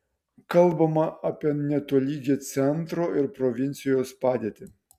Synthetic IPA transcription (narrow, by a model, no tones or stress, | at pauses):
kɐlˠbɐmɐʔɐpʲiɛnʲɛt̪oɔlʲiːɡʲeːt̪sʲɛnt̪ɾoːɪɾpɾɔʋʲɪnʲt̪sʲɪjoːspɑːd̪ʲeːt̪ʲɪ